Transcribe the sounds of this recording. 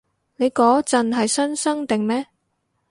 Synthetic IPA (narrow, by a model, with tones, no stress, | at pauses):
ne˨˧jkɔː˨˥t͡sɐ˨nɦɐ˨jsɐ˥nsɐ˥ŋt̪ɪ˨ŋmɛː˥